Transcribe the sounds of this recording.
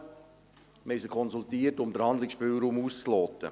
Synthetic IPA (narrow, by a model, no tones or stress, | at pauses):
mɛɪsəkʰɔnsult̪iːətʊmdəɾhɑnd̪lɪksʃpyːlˠɾuːmuːst͡slɔːt̪ə̰